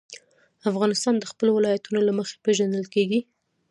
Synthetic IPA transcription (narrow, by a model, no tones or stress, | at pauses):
afɣɑnɪst̪ɑnd̪əxpəlowɪlɑjat̪unolaməxe̥peʒand̪əlkeɡi